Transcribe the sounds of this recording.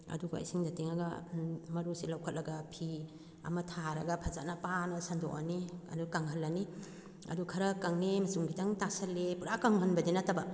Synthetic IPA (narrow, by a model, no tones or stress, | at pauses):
ɐ̰duɡa̰jsiŋdɐteŋɐɡɐ̰mɐɾusilawkʰɐt̚lɐɡɐpʰi | ɐ̰mɐtʰaɾɐɡɐpʰɐza̰t̚nɐpanɐsando̰ʔa̰niɐ̰dukaŋɦɐlːɐni | ɐ̰dukʰɐɾɐkaŋnemɐsuŋɡidɐŋtasɐlːepuɾakaŋɦɐnbɐdenɐtɐbɐ